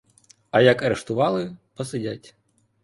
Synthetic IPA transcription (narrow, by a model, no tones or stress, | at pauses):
ɐjɐkɐɾɛʂt̪ʊʋɑlˠɨpɐsɨdʲat͡sʲ